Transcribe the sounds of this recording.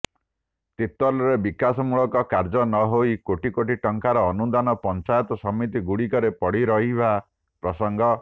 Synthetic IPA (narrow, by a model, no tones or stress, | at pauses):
t̪it̪ɾɔlɔɾebikasɔmuɭɔkɔkaɾd͡ʒɔnɔɦojkoʈikoʈiʈɔŋkaɾɔːnud̪anɔpɔnt͡ʃajɔt̪ɔsɔmit̪̬iɡuɽikɔɾepɔɽiɾɔɦiba | pɾɔsɔŋɡʱɔ